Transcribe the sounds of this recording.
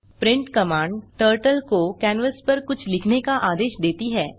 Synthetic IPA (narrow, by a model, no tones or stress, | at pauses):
pɾɪ̃ɳʈkɐmaːɳɖʈəːɾʈəlkokɛːnʋəspɐɾkʊt͡ʃʰlɪkʰnekaʔaːd̪eːʃd̪eːt̪iɦɛː